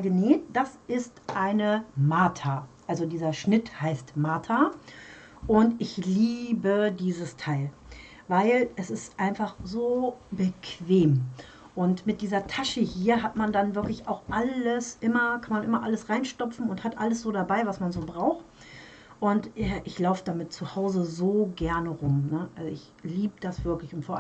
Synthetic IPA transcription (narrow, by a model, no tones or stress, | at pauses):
ɡəneːtd̥asʔɪstʔaɪnəmaːtʰaʔalzodiːzɐʃnɪthaɪstmaːtʰa | ʔʊntɪçliːbədiːzəstʰaɪl | vaɪlʔɛsɪstʔaɪnfaχzoːbəkʰv̥eːm | ʔʊntmɪt̚d̥iːzɐtʰaʃəhiːɐɦatmandanvɪɐklɪçaʊxʔaləsʔɪmɐkʰanmanʔɪmɐʔaləsʁaɪnʃtɔpp͡fn̩ʊnthatʔaləsz̥oːɾabaɪvasmanzoːbʁaʊxt | ʔʊntʔɛʔɪçlaʊfədamɪt̚t͡suhaʊzəzoːɡɛɐnəʁʊmnəʔalzoʔɪç | liːbəd̥asv̥ɪɐklɪçʊntfoːɐʔ